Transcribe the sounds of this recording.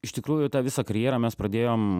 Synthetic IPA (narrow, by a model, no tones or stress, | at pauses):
ɪʃt̪ʲɪkɾuːjʊt̪ɑːʋʲɪsɑːkɐɾʲjeːɾɐːmʲɛspɾɐd̪ʲeːjoːm